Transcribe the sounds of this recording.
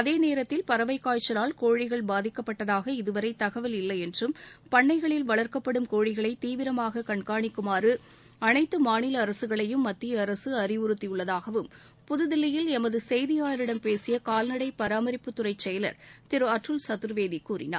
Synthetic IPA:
ɐðeːneːɾɐt̪ːɪlpɐɾɐʋɐɪkːaːt͡ʃːɐlaːlkoːɻɪɣɐɭbaːðɪkːɐpːɐʈːɐðaːɣɐɪðɯʋɐɾɐɪt̪ɐɣɐʋɪlɪlːɐɪɛndrɯmpɐɳːɐɪɣɐɭɪlʋɐɭɐɾkɐpːɐɽɯmkoːɻɪɣɐɭɐɪt̪iːʋɪɾɐmaːɣɐkɐɳkaːɳɪkːɯmaːɾɯ | ɐnɐɪt̪ːɯmaːɳɪlɐːɾɐsɯɣɐɭɐjɯmːɐt̪ːijɐɾɐsɯɐɾɪʋʊɾɯt̪ːɪjɯɭːɐðaːɣɐʋɯm | pʊðɯðɪlːɐjɪlɛmɐðɯsɛjðɪjaːɭɐɾɪɽɐmpeːsɪjɐkaːlnɐɽɐɪpːɐɾaːmɐɾɪpːɯt̪ːʊɾɐɪt͡ʃːɛjɐlɐ̰ɾt̪ɪɾɯɐʈrɯlsɐt̪ɯɾʋeːðikuːɾɪ̰na̰ːɾ

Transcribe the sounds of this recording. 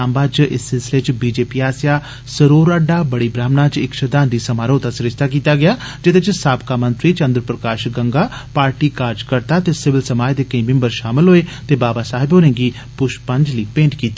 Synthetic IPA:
aːmbaːt͡ʃʔɪ̰sːɪlsɪlet͡ʃbiːd͡ʒeːpiːaːsja | səɾoːɾəɖaːbəɽiːbɾaːmnaːt͡ʃɪkʃəd̪aːnd̪iːsəmaːɾõːt̪asɾɪd͡ʒt̪ak̬iːt̪aɡɪjaːd͡ʒɪt̪et͡ʃsaːbkamə̃nt̪ɾiːt͡ʃə̃nd̪ɾpɾəkaːʃɡəŋɡaːpaːɾʈiːkaːɾd͡ʒkəɾt̪aːt̪eːsɪʋɪlsəmaːjd̪eːkəĩmɪ̃mbəɾʃaːmɪlɦoːet̪eːbaːbasaːɦɪboːɾẽːɡiː | pʊʃpə̃ɲd͡ʒliːpẽːɳʈkiːt̪i

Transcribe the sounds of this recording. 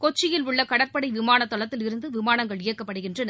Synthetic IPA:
kɔt͡ʃːɪjɪlʊɭːɐkɐɽɐɾpɐɽɐɪʋɪmaːnɐt̪ːɔɭɐt̪ːɪlɪɾɯnd̪ɯʋɪmaːnɐŋɡɐɭɪjɐkːɐpːɐɽɯɣɪndrɐn

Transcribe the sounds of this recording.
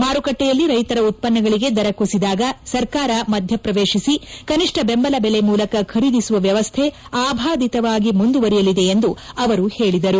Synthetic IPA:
maːɾukɐʈːɛjɐlːiɾɐjt̪ɐɾɐut̪̚pɐnːɐɡɐɭiɡe̞d̪ɐɾɐkusid̪aːɡɐsɐɾkaːɾɐmɐd̪ʱjɐpɾɐʋeːʃisikɐniʂʈʰɐbembɐlɐbelemuːlɐkɐkʰɐɾid̪isuʋɐʋjɐʋɐst̪ʰe | aːbʱaːd̪it̪ɐʋaːɡimund̪uʋɐɾijɐlid̪e̞ːnd̪uɐʋɐɾuheːɭid̪ɐɾu

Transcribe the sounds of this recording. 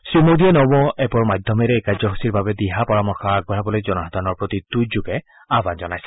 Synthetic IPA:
sɹimodiɛnɔbɔɛpɔɹmad̪ʱɔmɛɾɛekazɔɦusiɹbabɛd̪iɦapɔɹamɔɹxɔaɡ̚bɔɹabɔlojzɔnɔɦɔd̪ʱanɔɹpɹot̪it̪uzuɡɛ | abanzɔnajsɛ̥

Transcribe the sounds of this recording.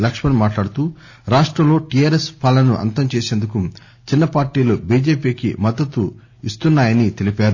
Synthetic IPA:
lɐkʂmɐnmaːʈlaːɽut̪uː | ɾaːʂʈɾɐmlo̞ːʈijaːɾespalɐnuʔɐ̰nt̪ɐmt͡ʃeːseːnd̪uku | t͡ʃinːɐpaːɾʈiːlubiːd͡ʒeːpiːkḭmɐd̪ːɐt̪u | ist̪unːaːjɐnit̪e̞lipaːɾu

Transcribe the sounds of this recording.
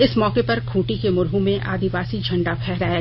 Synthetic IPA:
ɪsmɔːkepɐɾkʰũːʈikemʊɾɦõmẽʔa̰ːd̪ʱɪʋaːsid͡ʒʱɐ̃ɳɖapʰɛːɦɾaːja

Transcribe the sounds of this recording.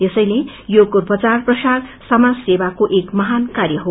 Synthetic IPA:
esʌjle | joɡorpʌt͡sarprʌsarsʌmad͡zsebakoʔekmʌɦankarjʌɦo

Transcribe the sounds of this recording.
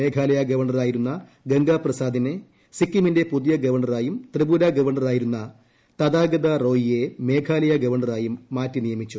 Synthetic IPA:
eːkʰaːlɐjɐɡɐʋɐɳɐraːjiɾunːɐ | ɡɐŋɡaːprɐsaːd̪ine | sikːiminde̞puðijɐɡɐʋɐrɳːɐraːjumt̪ribulaɡɐʋɐrɳɐraːjiɾunːɐ | t̪ɐd̪aːɡɐd̪ɐro̞ːjije̞me̞ːkʰaːlɐjɐɡɐʋɐrɳɐraːjumːaːtːinijɐmit͡ɕːu

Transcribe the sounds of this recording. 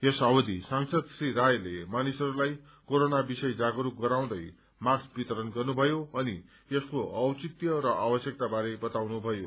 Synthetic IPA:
esawʌd̪isaŋsʌd̪sriɾajlemanisʌɾulaj | koɾonabisʌjd͡zaɡʌɾuɡʌɾaw̃d̪ʌj | masbit̪ʌɾʌnɡʌrnubʱʌjoʌni | jeskoʔʌwt͡sit̪jʌɾʌʔabʌsjʌk̚t̪abaɾebʌt̪awnubʱʌjo

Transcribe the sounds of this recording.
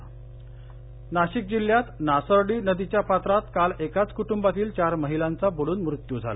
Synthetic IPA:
naɕik̚d͡ʑil̤jat̪nasəɾɽiːnəd̪it͡ɕjapat̪ɾat̪kalekat͡skuʈumbat̪iːlt͡ɕaɾməɦilant͡saboɭuːnmɾut̪jud͡zʱa̰la̰

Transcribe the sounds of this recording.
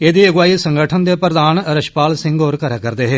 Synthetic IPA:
eːd̪iːəɡwaːiːsə̃ŋɡəʈʰənd̪eːpɾəd̪aːnɾəʃpaːlsɪ̃ŋɡoːɾkəɾaːkəɾd̪eːɦeː

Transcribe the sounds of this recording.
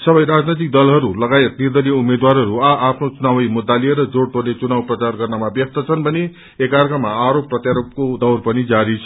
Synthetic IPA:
sʌbʌjɾad͡znʌjt̪̬ik̚d̪ʌlɦʌɾulʌɡajet̪̚nird̪ʌliumed̪waɾɦʌɾuaʔapʰnot͡sunawʌjmud̪ːalieɾʌd͡zoɽt̪olet͡sunawprʌt͡sarɡʌrnamabjʌk̚t̪ʌt͡sʰʌnbʱʌne | ekarkʌmːaaɾopːrʌt̪jaɾop̚kod̪ʌwrpʌnid͡zaɾit͡sʰʌ

